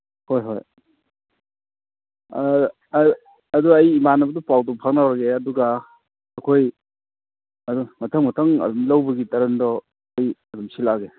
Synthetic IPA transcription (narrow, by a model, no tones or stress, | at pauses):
hojɦoj | ɐduɐjimanɐbɐdɔpawdɔpʰaŋnawɾaɡeɐduɡaː | kʰoj | ɐdmɐtʰɐŋmɐtʰɐŋɐ̰dɔmlawbɐɡitɐɾɐndɔː | jɐdumsilaɡe